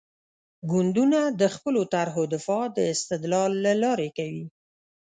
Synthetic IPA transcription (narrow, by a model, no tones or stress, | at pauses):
ɡʊnd̪unad̪əxpəlot̪aɾɦod̪ɪfɑd̪əɪst̪ɪd̪lɑlːalɑɾekawi